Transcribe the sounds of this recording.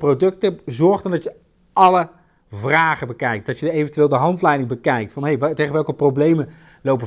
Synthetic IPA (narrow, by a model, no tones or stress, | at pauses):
prodɵktəzɔɹχdəndɑtjə | ɑlə | vraːχəbəkɛjk̚tdɑtjəejvəntʋɪːlˠdəɦɑntlɛjdɪŋbəkɛjk̚tfɑnɦejtejχəʋɛlˠkəprowblejmən | lowpə